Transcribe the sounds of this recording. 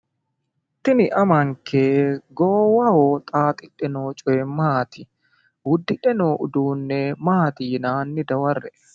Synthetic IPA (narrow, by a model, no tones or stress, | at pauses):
t̪ːɪnɪʔɐmɐŋkeːɡoːwɐhoːt̪ʼaːt̪ʼɪᶑɛnoːt͡ʃʼɔɛmaːt̪ɪ | wʊd̪ːɪᶑɛnoːʔʊd̪uːnːɛmaːt̪iːnaːnːɪd̪ɐwɐrːɛ